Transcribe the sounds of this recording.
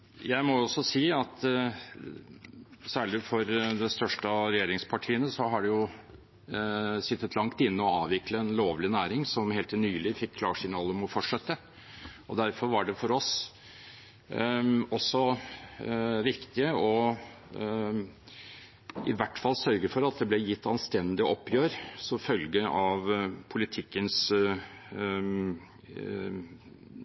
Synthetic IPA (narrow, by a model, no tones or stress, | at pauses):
jæɪmɔɔsːɔsiːɑt̪ | sæːɭɪfɔɾd̪ɛst̪œʂʈəɾɛjeːɾɪŋspʰɑʈʰiːənəsɔɦɑɖɛjʊ | sɪt̪ːət̪ʰlɑŋt̪ɪnːəɔɑːʋɪkləɛnloːʋlɪnæːɾɪŋsɔmheːlt̪ʰɪlnyːlɪfɪkʰːlɑːʂɪnɑːlɔmɔfɔʈʂɛt̪ːə | ɔd̪æɾfɔɾʋɑɖɛfɔɾɔs | ɔsːɔ | ʋɪkt̪ɪəɔ | ɪ̰ʋæʈːfɑlːsœɾɡəfɔɾɑt̪̚d̪ɛblɛjɪt̪ːɑnst̪ɛnd̪ɪʔɔpːjøːɾsɔmfœlɡəʔɑʋpʰʊlɪt̪ʰɪkːəns